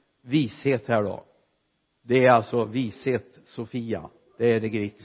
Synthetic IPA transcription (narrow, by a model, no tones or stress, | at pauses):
viːsheːt̪hæːɖɔ̰ | d̪ɛæɾalsɔviːsheːt̪ | sʊfiːa̰ | d̪̥ɛːɾɛɡɾɪt̪